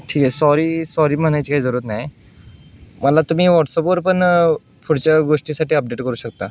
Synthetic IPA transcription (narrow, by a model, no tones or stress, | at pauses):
ʈʰiːkesɔɾiːsɔɾiːm̤əñajt͡ɕikaɦiːd͡zəɾut̪naj | məlat̪um̤iːʋɔʈsɔpʋəɾpəɳ | pʰuɽt͡ɕaɡoʂʈiːsaʈiːəp̚ɖeʈkəɾuːɕəkt̪a